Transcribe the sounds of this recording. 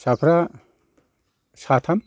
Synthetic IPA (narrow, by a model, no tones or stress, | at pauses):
sapʰɾa | sat̪ʰɐm